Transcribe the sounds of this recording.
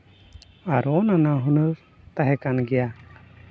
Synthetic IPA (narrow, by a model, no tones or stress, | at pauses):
aɾɔnanaɦunɯɾ | t̪aɦɛkanɡɛja